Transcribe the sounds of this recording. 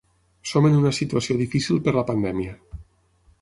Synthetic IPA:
somenunəsit̪uasioðifisilˠpəɾlapand̪ɛmiə

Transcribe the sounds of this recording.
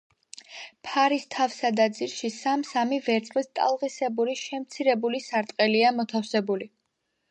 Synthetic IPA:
pʰaɾist̪ʰafsad̪ad̪ziɾʃisamsamivɛɾt̪sʼχlist̪ʼa̰lˠʁisɛbuɾiʃɛmt̪sʰiɾɛbulisaɾt̪ʼqʼɛliamɔt̪ʰafsɛbuli

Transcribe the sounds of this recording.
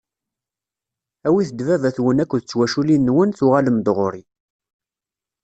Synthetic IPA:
æwiθəd̪vævæθwənækʷːðət͡sːwæʃulinːwənθʊʁaləmd̪ʁoɾi

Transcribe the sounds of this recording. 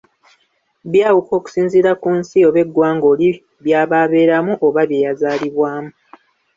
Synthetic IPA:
βjaːwuko̞ːku̥siːnziɾakunsioβe̞ɡːwaːŋɡo̞li | βjaːβaːβe̞ːɾamuʔoβaβje̞ːjazaːliβwaːmu

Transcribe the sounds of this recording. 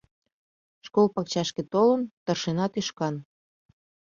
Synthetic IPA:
ʃkolpɑk̚t͡ɕɑʃket̪olənt̪ɤrʃenɑt̪yʃkɑn

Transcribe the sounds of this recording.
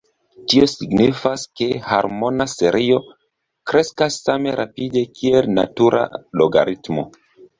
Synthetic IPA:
tio̞siɡnifaske̞ha̰ɾmo̞nase̞ɾʔio̞ | kɾe̞skasːame̞ɾʔapide̞kʰie̞lna̰tuɾʔa̰loɡa̰ɾitmo̞̰

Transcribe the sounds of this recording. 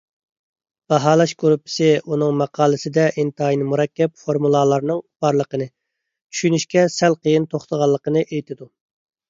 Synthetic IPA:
b̥ɑɦɑːlˠɑʃkuɾupʰːɪ̥sɪunɨŋmɑqʰɑːlˠɨsɪd̪ɛʔint̪ɑjinɨmuɾɛkʲːɛpfoɾmulˠɑlˠɑɾnɨŋb̥ɑɾlˠəqənɨ | t͡ʃʰy̥ʃynyʃkʲɛsɛlqʰəjɪnt̪ʰoχt̪ʰəʁɑlˠːəqənɨʔejt̪ʰɪd̪u

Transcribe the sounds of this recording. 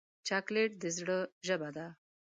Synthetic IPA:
t͡ʃakleʈ̚d̪əzɽəʒəbad̪a

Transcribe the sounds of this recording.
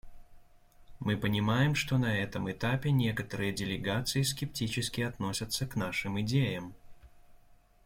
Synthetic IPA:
mɨpɐnʲimajɛmʂt̪ɔnɐɛt̪ɨmɛt̪apʲɛnʲɛkɐt̪ɐɾɨjɐd͡zʲɛlʲɛɡat̪sɨjiskʲɛp̚t͡sʲit͡ʃɪskʲiat̪nɔsʲɐt̪sːɐknaʂɨmɨd͡zʲejɐm

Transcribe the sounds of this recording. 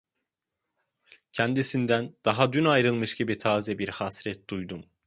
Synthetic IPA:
cʰɛnd̪isind̪ænd̪̥aɦad̪ynajɾɯlˠmɯʃɟibit̪ʰaːzɛbiɾhasɾɛt̪̚d̪ujd̪um

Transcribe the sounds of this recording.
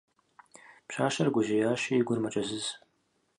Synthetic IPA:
pʃʷaːʃɐrɡʷʊʒejaːʃiːɡʷʊrmɐt͡ʃʼɐzɨz

